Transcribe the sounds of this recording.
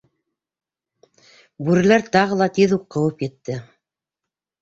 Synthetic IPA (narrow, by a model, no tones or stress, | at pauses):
bʉɾɘ̆læɾt̪ɑʁɤ̆lˠɑt̪iðuqːɤ̆wɤpjɘ̆t̪ːɘ